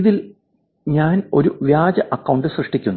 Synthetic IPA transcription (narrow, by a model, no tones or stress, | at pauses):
iðil | ɲaːno̞ɾuʋjaːd͡ʑɐʔɐkːɐwɳɖɨsrɐʂʈikʲːunː